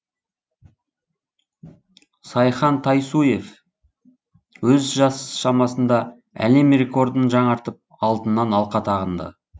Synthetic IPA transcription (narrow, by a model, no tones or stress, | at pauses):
sɑjχɑnt̪ʰɑjsuje̞f | wɵzʒɑsʃɑmɑsənd̪ɑ | æ̰le̞mre̞ko̞ɾd̪ənʒɑɴɑɾt̪əp̚ | ɑlˠt̪ənːɑnɑlˠqɑt̪ʰɑʁənd̪ə̰